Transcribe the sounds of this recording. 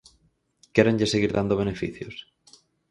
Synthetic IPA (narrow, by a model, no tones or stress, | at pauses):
keɾẽɲʎeseɣ̞iɾðand̪oβ̞enefḭθjo̰s